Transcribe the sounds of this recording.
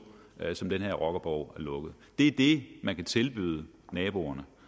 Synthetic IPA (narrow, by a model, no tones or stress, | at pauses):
sɒ̽md̥enheɐ̰ʁɒ̽ɡ̥ɐb̥ɒʊ̰æɐlɔ̽ɡ̥ð̞̩ˠd̥e̝æd̥e̝mænkʰæt͡sʰe̝lb̥y̰ð̞ˠənɛːb̥o̝ɐnə